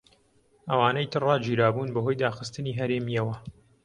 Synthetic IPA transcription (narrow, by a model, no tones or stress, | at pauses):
ʔɐwaːnɐjt̪ʰɨrɑːd͡ʒiːɾaːbuːnbɐɦoːjd̪aːxɨst̪ɨniːɦɐɾeːmijɐwɐ